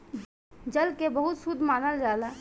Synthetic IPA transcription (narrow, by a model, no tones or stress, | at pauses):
d͡ʒɐlkebɐɦʊt̪sʊd̪ʱːmaːnəld͡ʒaːd̪a